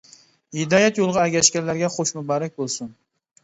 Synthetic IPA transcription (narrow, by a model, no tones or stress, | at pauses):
hɪd̪ɑːjɛt̪jolˠʁɑɛɡʲɛʃkʲɛɾlːæɾɡʲɛχoʃmubɑːɾɛk̚ʲbolˠsun